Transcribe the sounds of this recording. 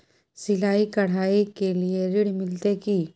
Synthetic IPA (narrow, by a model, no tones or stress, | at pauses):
sɪlaːikɐɽ̤aːikelieɾɪɽmɪlt̪eki